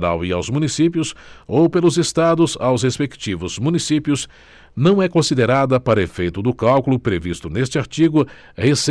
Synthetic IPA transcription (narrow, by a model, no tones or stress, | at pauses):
ɾa̰wia̰wzmũnisip̬jʊsowpelʊzest̪ad̪ʊza̰wshespekt͡ʃivʊz̥mũnisipiʊz | nɐ̃w̃ɛkõsid̪eɾad̪ɐpaɾɐefejt̪ʊd̪ʊkawkʊlʊpɾevist̪ʊnest͡ʃɪaɾt͡ʃiɡʊ | hese